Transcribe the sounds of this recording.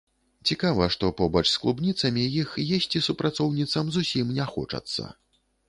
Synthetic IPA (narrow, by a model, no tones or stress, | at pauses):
t͡sʲikavɐʂt̪ɔpɔbɐt͡ʂsklˠubnʲit̪sɐmʲijixjesʲt͡sʲisupɾat̪sɔwnʲit̪sɐmzusʲimnʲɛxɔ̰t͡ʂɐ̰t̪sːɐ̰